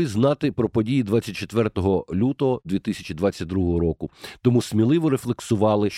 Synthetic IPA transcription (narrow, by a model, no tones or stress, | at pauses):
ɪznɑt̪ɪpɾɔpɔdʲijid̪ʋɑt͡sʲːɐt̚ʲt͡ʃet̪ʋɛrt̪ɔɦɔlʲut̪ɔɦɔd̪ʲʋʲit̪ɪsʲɐt͡ʃid̪ʋat͡sʲːɐt̪̚ʲd̪ɾuɦɔɦɔɾɔkʊt̪ɔmusmʲilˠɪʋɔɾeflˠeksʊʋɑlˠɪ